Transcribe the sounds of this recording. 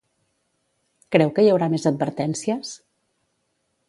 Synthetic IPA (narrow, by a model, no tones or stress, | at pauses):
kɾɛwkəjəwɾamezəd̪̚bəɾt̪ɛnsiəs